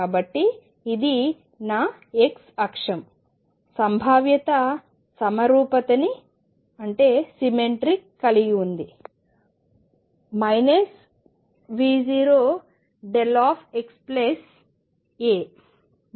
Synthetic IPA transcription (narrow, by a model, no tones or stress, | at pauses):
aːbɐʈːiː | d̪i | naː | eksɐkʂɐm | sɐmbʱaːʋjɐt̪ɐ | sɐmɐɾuːpɐt̪ɐni | ɐɳʈe̞ːsimeɳʈɾikːɐliɡiund̪i | mɐjnɐs | ʋiːd͡ʒiːɾoː | ɖelaːpʰeksples | eː